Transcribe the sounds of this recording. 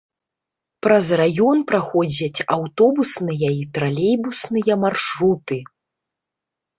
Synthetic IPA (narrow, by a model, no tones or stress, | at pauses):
pɾɐzrajɔnpɾaxɔd͡zʲɐt͡sʲawt̪ɔbusnɨjɐit̪ɾalʲejbusnɨjɐmarʂɾut̪ɨ